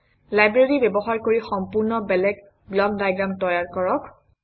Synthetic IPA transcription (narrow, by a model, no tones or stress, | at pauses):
lajbɹaɹibɛbɔxaɹkoɹixɔmpʊɹnɔbɛlɛɡ | blɔk̚dajɡɹamtɔjaɹkɔɹɔk